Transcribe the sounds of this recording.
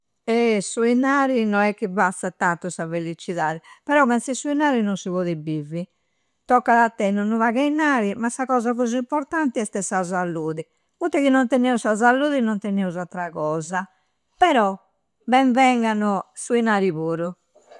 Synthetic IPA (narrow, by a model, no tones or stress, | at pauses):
ɛsuinaːɾinɔnɛk̟ːibasat̪ːant̪ːusavelit͡ʃiðaːðɛpɛɾɔpɛnsɛsuinaːɾinɔnsivɔːðibivi | t̪ɔkːaðat̪ːɛnɔnːuvaɣainaːɾimasːaɣɔːzaɣɔzuimpɔɾt̪ant̪iɛst̪ɛsazalːuːði | mut̪ːɛkinːɔnt̪ɛnɛːusazalːuːðinɔnt̪ɛnɛuzat̪ɾaɣɔːza | pɛɾɔ | bɛɱvɛŋɡanusuinaːɾiβuːɾu